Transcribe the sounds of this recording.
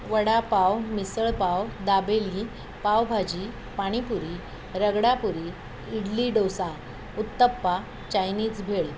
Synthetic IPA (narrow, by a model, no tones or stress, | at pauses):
ʋəɽapawmisəɭpawd̪abeli | pawbʱad͡ʑi | paɽ̃ipuɾi | ɾəɡɽapuɾi | iɽliɖowsa | ut̪ːəpːa | t͡ɕajniːd͡zbʱeɭ